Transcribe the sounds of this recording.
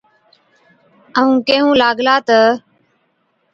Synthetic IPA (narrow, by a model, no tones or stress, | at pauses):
əũːkeːɦũːlaːɡlaːt̪ə